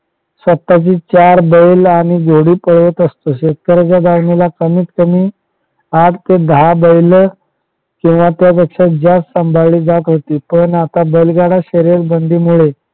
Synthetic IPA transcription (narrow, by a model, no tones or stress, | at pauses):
sʋət̪ːat͡ɕiːt͡ɕaɾbəjlaɽ̃iɡʱoɽiːpəɭʋət̪əst̪oɕet̪̚kəɾat͡ɕjad̪aʋnilakəmiːt̪kəmiː | aʈ̚ʰt̪ed̪əabəjlə | kĩw̃ʋat̪jap̬ekʂat̪̚d͡ʑjassəmbʱaɭiːd͡zat̪ɦot̪iːpəɳat̪abəjlɡaɽaɕəɾeɾbənd̪ʱiːmuɭe